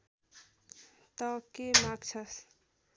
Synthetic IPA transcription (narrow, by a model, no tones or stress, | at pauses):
t̪ɔkemakt͡ʃʰʌs